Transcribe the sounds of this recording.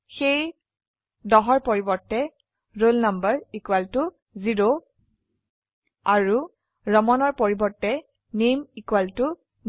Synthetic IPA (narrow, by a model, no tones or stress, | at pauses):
xej | dɔɦɔɹpoɹibɔɹtːɛ | ɹolnambaɹikuwaltʊ | ziɹo | aɹu | ɹɔmɔnɔɹpoɹibɔɹtːɛ | nemikuwaltʊ | n